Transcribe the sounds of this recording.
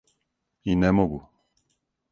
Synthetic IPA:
inɛmoɡu

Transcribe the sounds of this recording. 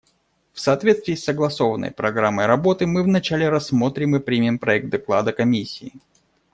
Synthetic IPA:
fsɐːt̪vʲet̪st̪vʲiːsːəɡlˠɐso̞vənːə̰jpɾɐɡɾamːəjɾɐbo̞t̪ɨmɨvnɐt͡ɕælʲɪɾɐsːmo̞t̪ɾʲɪmɨpɾʲimʲɪmpɾɐɛk̚t̪̚d̪ɐklˠa̰d̪əkɐmʲisʲːiː

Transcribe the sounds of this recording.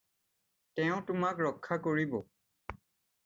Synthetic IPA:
tɛʊ̃tʊmakɹɔkʰːakoɹibɔ

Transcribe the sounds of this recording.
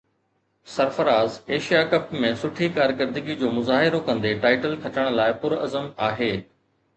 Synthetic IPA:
sɐɾfəɾaːzeːʃijakɐpmẽsʊʈʰikaːɾkɪɾd̪ɪɡid͡ʑoːmʊzaːɦɪɾokɐ̃nd̪eʈaːɪʈəlkʰɐt͡ɕəɽ̃̆laːɪpʊɾɐ̰zəmaːɦeː

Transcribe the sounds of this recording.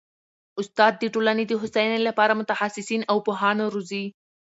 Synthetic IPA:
ʊst̪ɑd̪̚ːəʈolaned̪əɦʊsajnelapɑɾamʊt̪ahasɪsinawpoɦɑnoɾuzi

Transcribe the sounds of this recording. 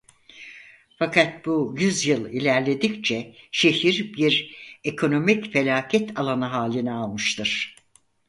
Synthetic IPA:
fakʰat̪̚bujyzjɯlˠilʲæɾlʲe̞d̪ict͡ʃʰɛʃe̞ɦiɾbiɾekʰo̞no̞micfe̞lʲaːcʰɛt̪ʰalˠanaɦaːlʲinɛalˠmɯʃt̪ʰɯɾ̥

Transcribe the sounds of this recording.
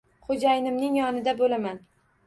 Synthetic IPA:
χod͡ʒajɪnɪmnɪŋjɒnɪd̪abolaman

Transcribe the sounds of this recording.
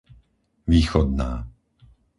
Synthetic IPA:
ʋiːxɔd̪naː

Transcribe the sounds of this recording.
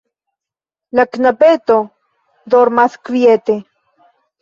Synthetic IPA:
laknapet̪o | d̪oɾmaskvjet̪e

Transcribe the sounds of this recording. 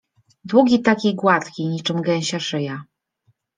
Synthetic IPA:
d̪wuɡʲit̪akʲijɡwat̪kʲiɲit͡ʂɘmɡɛ̃ɲ̃ɕaʂɘja

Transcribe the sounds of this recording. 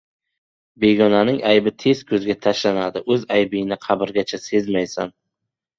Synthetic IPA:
be̞ɡʲɒnanɪŋajbɪt̪ʰe̞zkʰɵzɡʲat̪ʰaʃlanad̪ɪʔɵzajbɪjɪnɪqʰɑbɪɾɡʲat͡ʃʰase̞zmajsa̰n

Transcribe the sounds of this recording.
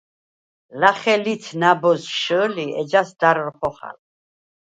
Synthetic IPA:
laχɛlit̪ʰnabɔsʃəːliɛd͡ʒasd̪aɾɾχɔχa̰l

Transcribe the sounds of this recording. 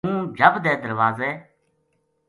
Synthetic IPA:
ũːd͡ʒʱəbd̪eːd̪əɾʋaːzeː

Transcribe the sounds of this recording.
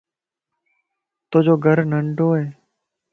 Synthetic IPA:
t̪oːd͡ʒoːɡʱəɾnəɳɖʱoːɦeː

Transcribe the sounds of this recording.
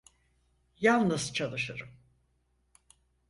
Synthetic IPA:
jalˠnɯz̥t͡ʃʰalˠɯʃɯɾɯm

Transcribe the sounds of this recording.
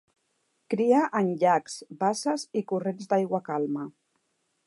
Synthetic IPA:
kɾiaʔənʎakz̥basəzikurenzd̪ajɣwakalˠmə

